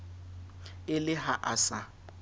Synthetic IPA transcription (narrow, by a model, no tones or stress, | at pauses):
ɪlɪɦaʔasa